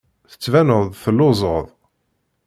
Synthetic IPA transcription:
θə̥t͡sːvænəðˤθəlːʊzˤəðˤ

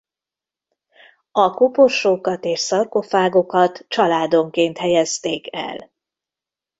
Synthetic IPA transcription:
ɒkopoʃoːkɒt̪eːʃsɒrko̞faːɡo̞kɒt̪t͡ʃɒlaːd̪o̞ŋkeːnt̪hɛjɛst̪eːkɛ̰l

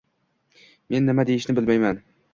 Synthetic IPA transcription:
me̞nːɪmad̪ejɪʃnɪbɪlmajman

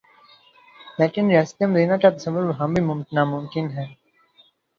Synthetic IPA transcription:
leːkɪnɾɪjaːsə̥t̪ijəmɾiːnaːkat̪ɐsəʋːʊɾʋɐɦãːbʱimʊmtɪnaːmʊmkɪnɦɛː

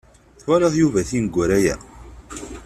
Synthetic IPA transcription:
θwæɾɑðˤjuvæθinəɡʷːʊɾæjæ̰

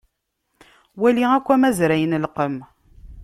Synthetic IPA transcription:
wæliækʷːæmæzɾæjənlqəm

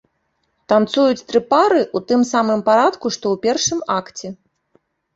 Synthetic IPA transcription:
t̪ant̪sujut͡sʲt̪ɾɨpaɾɨʔut̪ɨmsamɨmpaɾat̪kuʂt̪ɔwpʲɛrʂɨmakt͡sʲɛ

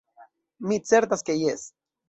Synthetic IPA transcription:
mit͡seɾt̪askejes

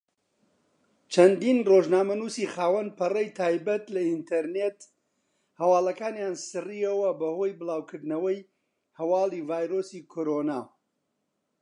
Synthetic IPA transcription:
t͡ʃʰɐnd̪iːnroʒnaːmɐnuːsiːxaːwɐnpɐrɐjt̪ʰaːjbɐt̪lɐint̪ʰɐɾneːt̪ | hɐwaːlɐkaːnjansɨriɐwɐbɐhoːjbɨlaːwkʰɨɾd̪nɐwɐj | hɐwaːliːvaːjɾosiːkʰoɾona̰ː

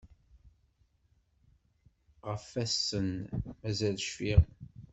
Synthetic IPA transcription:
ʁəfæsːənmæzælʃfiʁ

